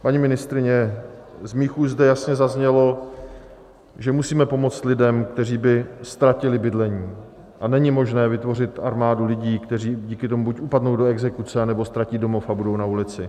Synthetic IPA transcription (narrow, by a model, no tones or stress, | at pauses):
paɲimɪnɪst̪ɾɪɲɛzmiːxuːzdɛjasɲɛzazɲɛlo̞ | ʒɛmusiːmɛpo̞mo̞t͡st̪lɪdɛmkt̪ɛriːbɪst̪ɾacɪlɪbɪdlɛɲiː | ʔanɛɲɪmo̞ʒnɛːvɪt̪vo̞rɪt̪ʔaɾmaːdulɪɟiːkt̪ɛriːɟiːkɪt̪omubucʔupadnowdoɛɡzɛkut͡sɛanɛbo̞st̪ɾacido̞mo̞fabudo̞wnaulɪt͡sɪ